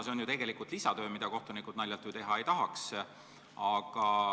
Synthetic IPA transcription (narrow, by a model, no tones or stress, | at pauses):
seonjut̪e̞ɡ̥e̞likult̪lisɑt̪øːmid̪̥ɑko̞ht̪unikˑud̪̥nɑjlʲːjɑlt̪ːˑyt̪e̞ɦɑe̞jt̪ɑɦɑks | ɑɡ̥ɑ